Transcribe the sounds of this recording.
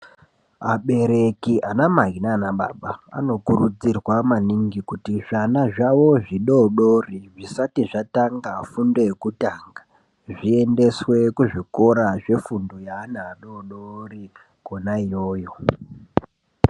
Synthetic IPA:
aɓe̞ɾe̞kiʔanamaɦinaːnaɓa̰ɓaa̰no̞kurud͡zirwamaniŋɡikutiʐanaʐaʋo̞ʐiɗo̞ɗoriʐisatiʐataŋɡafundo̞jekutaːŋɡa | ʐie̞nde̞swe̞kuʐiko̞ɾaʐe̞fundojaːnaːɗo̞ɗori | konaijo̞ːjo̞

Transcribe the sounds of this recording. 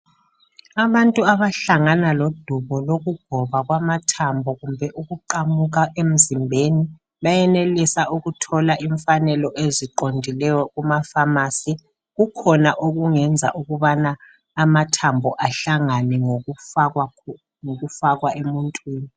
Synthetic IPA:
aβantʼuaβaɬaŋanalod̥ʱuβɔloɣuɡ̥ʱɔβaɣwamatʰambʱɔɣumbʱɛʔuɣuǃamuɣ̬aʔem̩zimbʱeni | βajɛnelisauɣutʰɔlaʔiɱfanɛlɔʔeziǃondʱilɛjɔɣumafamaːsi | ɣukʰɔnaʔoɣuŋɛnd͡zʱa̰ʔuɣuβanaː | matʰambʱɔʔaɬaŋanɛŋ | ŋoɣufaɣwaemuntʼwiːni

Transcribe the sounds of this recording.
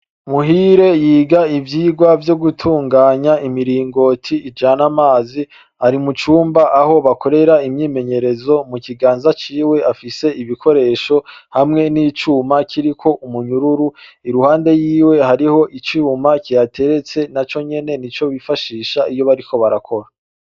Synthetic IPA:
muɦiɾe̞jiːɡaivjiːɡwavjo̞ɡutʰuːŋɡaːɲaimiɾiːŋɡo̞tʰiːd͡ʒanamaːzi | haɾimut͡ʃuːmbaʔaho̞βakʰo̞ɾe̞ɾaimɲiːme̞ɲe̞ɾe̞zo̞mukiɡaːnzat͡ʃiːwe̞afise̞iβikʰo̞ɾe̞ːʃo̞hamŋe̞nit͡ʃuːmakʰiɾikʰo̞ʔumuɲuɾuɾuiɾuhaːnde̞jiːwe̞haɾiho̞ʔit͡ʃumakijatʰe̞ɾe̞t͡se̞nat͡ʃo̞ɲe̞ne̞nit͡ʃo̞βifaʃiːʃaijo̞βaɾiko̞βaɾakʰo̞ɾa

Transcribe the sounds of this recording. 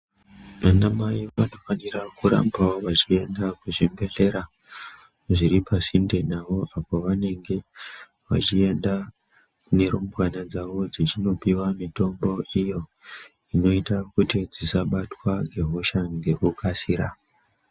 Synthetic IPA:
ʋanamaiʋano̞fanirakuɾa̰mbaoʋat͡ʃie̞ndakuʐimbe̞ɮe̞ɾa | ʐiɾipasinde̞naʋo̞ʔapo̞ʋane̞ŋɡe̞ | ʋa̰t͡ʃie̞nda | kune̞ɾo̞mbwanad͡zaʋo̞d͡zit͡ʃino̞piwamito̞mbo̞ijo̞ | ino̞itakutid͡zisaɓatwaŋɡe̞ɦoʃaŋɡe̞kukʰasiɾa

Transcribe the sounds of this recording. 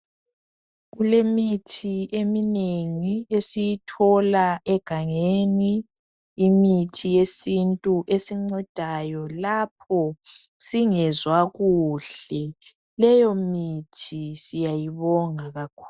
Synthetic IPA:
ɣulemitʰiemineŋiesijitʰɔlaʔɛɡ̥ʱaŋeniː | mitʰijesintʼuʔesiŋ͡ǀɛd̥ʱajɔlap̚ʰɔsiŋɛzwaɣuɬɛ | lɛjɔmitʰisijajiβɔŋaɣakʰu̥ː

